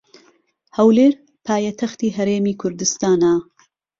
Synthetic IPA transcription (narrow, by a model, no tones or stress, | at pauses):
hɐwleːɾ | pʰaːjɐt̪ʰɐxt̪iːɦɐɾeːmiːkʰʊɾd̪ɨst̪aːna